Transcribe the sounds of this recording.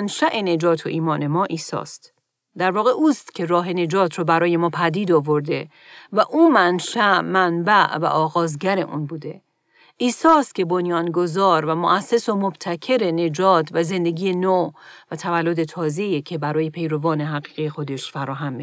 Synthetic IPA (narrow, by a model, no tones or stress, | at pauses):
nʃæʔe̞ne̞d͡ʒɒːt̪ʰo̞ʔiːmɒːne̞mɒːʔiːsɒ̰ːst̪ | d̪æɾvɒːɣe̞ʔuːst̪cʰe̞ɾɒːɦe̞ne̞d͡ʒɒːt̪ʰɾɔbæɾɒːje̞mɒːpʰæd̪iːd̪ɒvo̞ɾd̪e̞ | væʔuːmænʃæʔmænbæʔvæ̰ʔɒːɣɒːzɟæɾe̞ʔuːnbuːd̪e̞ | ʔiːsɒːst̪̚cʲʰe̞bonjɒːnɡo̞zɒːɾvæmoʔæsːe̞somob̥t̪ʰæcʰe̞ɾe̞ne̞d͡ʒɒːt̪ʰvæze̞nd̪e̞ɡiːjenovæt̪ʰævælːo̞d̪e̞t̪ʰɒːze̞ijecʰe̞bæɾɒːje̞pʰe̞jɾovɒːne̞ɦæɣiːɣejexo̞d̪e̞ʃfæɾɒːɦæmːe